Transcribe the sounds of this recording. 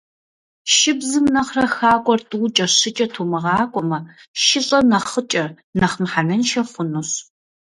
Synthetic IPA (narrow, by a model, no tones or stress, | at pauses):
ʃɪbzɨmnɐχrɐxaːkʷʼɔrtʼɨwt͡ʃʼɐɕɪt͡ʃʼɐtʰuːmɐʁɑːkʷʼɔmɐʃɪɕʼɐnɐχət͡ʃʼɐ | nɐχmħanɐnʃɐfʊnuɕ